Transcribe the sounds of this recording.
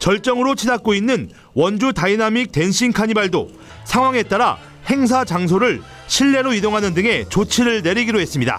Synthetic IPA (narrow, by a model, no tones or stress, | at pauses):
t͡ɕʌɭt͡ɕ͈ʌŋɯɾot͡ɕʰidak͈̚oinːɯn | wʌnd͡ʑutainamik̚te̞nɕʰinkʰaɲibaɭdo | sʰaŋɦwaŋe̞t͈aɾa | he̞ŋs̬ʰad͡ʑaŋs̬ʰoɾɯɭ | ɕʰiɭːe̞ɾoidoŋɦanɯndɯŋe̞t͡ɕot͡ɕʰiɾɯɭne̞ɾiɡiɾoɦe̞s͈ɯmɲida̰